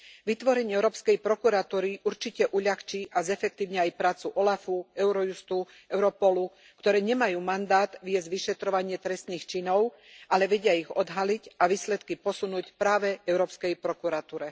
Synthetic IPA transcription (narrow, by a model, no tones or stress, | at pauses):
ʋit̪ʋɔɾɛɲɪɛɛʊɾɔːpskɛjpɾɔkuɾat̪uːɾiʔuɾt͡ʃicɛʔuʎaxt͡ʃiʔazɛfɛk̚t̪iːʊɲɛajpɾaːt͡suʔɔlafuɛʊɾɔjust̪u | ɛʊɾɔpɔlu | kt̪ɔɾɛːɲɛmajuːmand̪aːt̪ʋɪjɛzɟʋiʃɛt̪ɾɔʋaɲɪɛt̪ɾɛst̪niːxt͡ʃinɔʊ | ʔalɛʋɛɟɪaiɣɔd̪ɦaliɟaʋiːslɛt̪kipɔsunuːcpɾaːʋɛɛʊɾɔːpskɛjpɾɔkuɾat̪uːɾɛ